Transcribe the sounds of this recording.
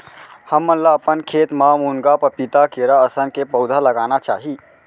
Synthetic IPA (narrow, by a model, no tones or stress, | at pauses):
həmːənlaəpənkʰeːt̪mamunɡapəpit̪akeɾaəsənkepəwd̪ʱaləɡanat͡ʃa̰ːɦi